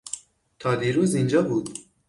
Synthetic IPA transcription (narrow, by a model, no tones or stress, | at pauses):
t̪ʰɑːd̪iːɾuːzind͡ʒɑːbuːd̪